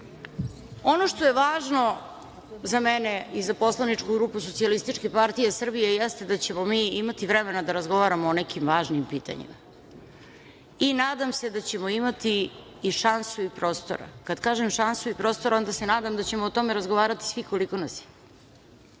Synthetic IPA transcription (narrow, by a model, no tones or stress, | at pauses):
o̞noʃt̪oje̞ʋaːʒno̞ | zameneizaposlˠanit͡ʃkuɡɾupusosialist̪it͡ʃkepaɾt̪ijesr̩bijejest̪ed̪at͡ɕe̞momiːimat̪iʋɾɛmenad̪aɾazɡo̞ʋaɾamoːnekimʋaːʒnimpiːt̪a̰ɲḭma̰ | inaːd̪amse̞d̪at͡ɕe̞moimat̪iː | ʃansuipɾo̞ːst̪o̰ɾa̰kad̪kaːʒemʃansuipɾo̞ːst̪oɾao̞nd̪asenaːd̪amd̪at͡ɕe̞moːt̪o̞meɾazɡoʋaːɾat̪i̥svʋiko̞liko̞nasi̥